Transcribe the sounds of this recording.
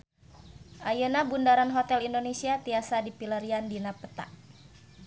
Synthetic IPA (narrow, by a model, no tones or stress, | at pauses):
ʔajənabundaɾanɦɔt̪ɛlindonesiat̪iasadipiləɾiandinapət̪a̰ʔ